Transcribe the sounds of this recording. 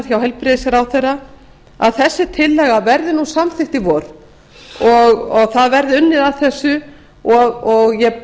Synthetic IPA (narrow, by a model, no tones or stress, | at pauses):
ɾ̥çawɦɛlpɾɪðɪsaɾawθɛrːa | a̰ðθɛsːɪt̪ʰɪlːɛɣavɛɾðɪnusamθɪhxt̪ɪvɔɾ̥ | ɔɣɔɣθaðvɛɾðɪʏnːɪðaðθɛsːʏ | ɔɣɔɣjɛ